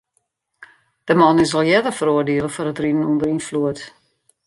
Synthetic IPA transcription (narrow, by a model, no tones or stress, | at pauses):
d̥əmɔnɪsɔlˠjɛdərfəɾoədeələfɔrətridənundəɾinfluət